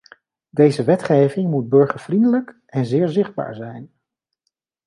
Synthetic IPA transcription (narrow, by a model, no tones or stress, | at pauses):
dejzəʋɛtχejvɪŋmud̚bɵɹχəɹv̥rindələk | ɛnzɪːɹzɪχd̚ba̰ːɹzɛjn